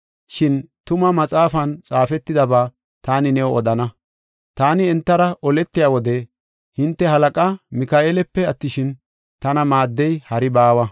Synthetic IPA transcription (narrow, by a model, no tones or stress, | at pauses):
ʃɪnt̪ʊmɐmɐt͡sʼaːfɐnt͡sʼaːfɛt̪ːɪd̪ɐbaː | t̪aːnɪnɛwɔɔd̪ɐnɐ | t̪aːnɪɛnt̪ːɐɾɐʔɔlɛt̪ːɪjaːwɔd̪ɛ | hɪnt̪ːɛɦɐlɐkʼɐmɪkaːʔeːlɛpːɛɐt̪ːɪʃɪn | t̪ɐnɐmaːd̪ːɛjhɐɾɪbaːwɐ